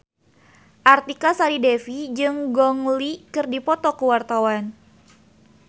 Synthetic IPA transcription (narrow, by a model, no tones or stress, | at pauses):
ʔart̪ikasaɾidefid͡ʒɨŋɡɔŋlikɨrdipɔt̪ɔkəwart̪awan